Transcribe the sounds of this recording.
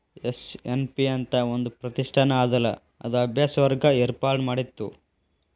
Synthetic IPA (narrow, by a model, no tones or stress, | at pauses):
esenpiɐnt̪ɐond̪upɾɐt̪iʂʈʰɐnɐaːd̪ɐlːɐ̰ | ɐ̰d̪uɐbʱjaːsɐʋɐɾɡɐeːɾpaːɾʈmaːɽit̪ːu